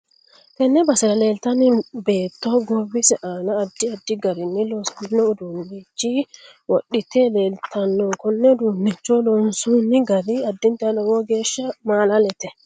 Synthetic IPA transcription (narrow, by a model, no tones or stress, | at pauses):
kɛnːɛbɐsɪɾɐle̞ːlt̪ɐnɪbe̞ːt̪ːɔɡɔbɪsɛʔaːnɐːd̪ːɪɐd̪ːɪɡɐɾɪnːɪlɔskʊnːɔʊd̪unːit͡ʃːi | wɔɗːɪt̪eːle̞ːlt̪ʰɐnːɔkɔnːɛd̪unːɛt͡ʃːɔlɔnsunːɪɡɐɾɪɐd̪ːɪnt̪ɛɐnɔwɔɡeːʃːɐmaːlɐlɛt̪ɛ